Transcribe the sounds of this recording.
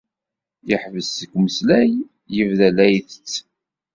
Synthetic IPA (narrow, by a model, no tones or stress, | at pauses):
jəħvəsːəkʷːməslæj | jəvðælæjθət͡sː